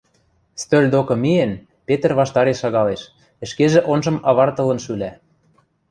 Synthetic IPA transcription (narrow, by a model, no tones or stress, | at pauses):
st̪ølʲd̪okɤ̆mien | pet̪ə̆rβɑʃt̪ɑɾeʃɑɣɑleʃ | ɘ̆ʃkeʒĕʔonʒɤ̆mɑβɑrt̪ɤ̆lɤ̆nʃylæ